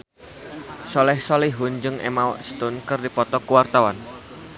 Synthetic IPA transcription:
sɔlɛhsɔliɦund͡ʒɨŋḛmaɔ̰ʔst̪ʊnkɨrdipɔt̪ɔkuwart̪awan

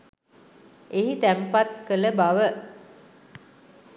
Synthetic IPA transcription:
ʔeɦit̪æmpat̪̚kələbaʋə

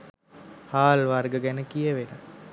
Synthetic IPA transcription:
haːlʋarɡəɡænəkijəʋena

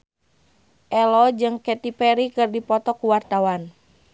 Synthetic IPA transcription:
ʔɛlɔd͡ʒɨŋkɛt̪ipɛɾikɨrdipɔt̪ɔkuwart̪awan

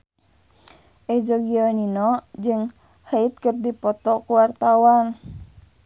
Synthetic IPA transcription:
ʔɛd͡ʒɔɡiɔninɔd͡ʒɨŋ | hait̪̚kərdipɔt̪ɔkuwart̪awan

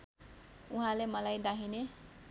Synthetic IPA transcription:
uɦãlemʌlajd̪aɦʰine

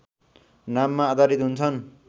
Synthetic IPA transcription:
namːaːd̪aɾit̪ɦunt͡sʰʌn

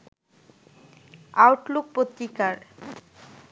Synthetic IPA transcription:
awʈluk̚pot̪ɾikaɾ

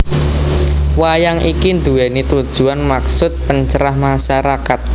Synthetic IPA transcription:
wajaŋʔikind̪uɛnit̪ud̥ʒ̥uanmaksʊt̪̚pəɲt͡ʃəɾahmaʃaɾakat̪̚

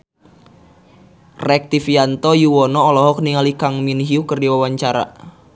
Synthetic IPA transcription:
rɛk̚t̪ifiant̪ɔjuwɔnɔːlɔɦɔkniŋalikaŋminɦiukərdiwawaɲt͡ʃaɾa̰

